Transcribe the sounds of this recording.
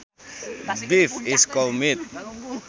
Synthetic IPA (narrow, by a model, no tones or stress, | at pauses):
bifiskɔlmit̪̚